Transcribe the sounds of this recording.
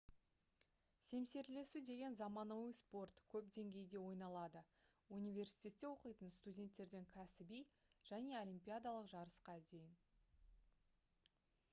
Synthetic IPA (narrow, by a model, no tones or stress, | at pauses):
se̞mse̞ɾle̞sud̪e̞ɡʲe̞nzɑmɑnowəspo̞rt̪kʲʰɵpd̪e̞ŋɡʲe̞jɡ̪ʲe̞wo̞jnɑlˠɑd̪ə | univʲe̞rsi̥jt̪ʲe̞t̪ʲːe̞wo̞qəjt̪ənst̪udʲe̞nt̪ːe̞ɾd̪e̞ŋkʲʰæsɪbij | ʒ̥æne̞o̞lʲimpʲijad̪ɑlˠəqʒɑɾəsqɑd̪e̞jɪn